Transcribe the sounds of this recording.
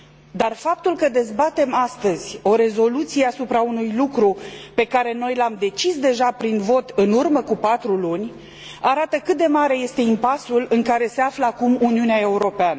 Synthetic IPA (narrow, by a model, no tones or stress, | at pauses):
d̪arfap̚t̪ulkəd̪e̞zbat̪e̞mast̪əz̥ʲo̞ɾe̞zo̞lut̪sije̞asupɾaunujlukɾupe̞kaɾe̞no̞jlamd̪e̞t͡ʃisd̪e̞ʒapɾinvo̞t̪ɨnurməkupat̪ɾulunʲ | aɾat̪əkɨt̪̚d̪e̞maɾe̞je̞st̪e̞impasulɨŋkaɾe̞se̞afləakumuniuneae̞uɾo̞peanə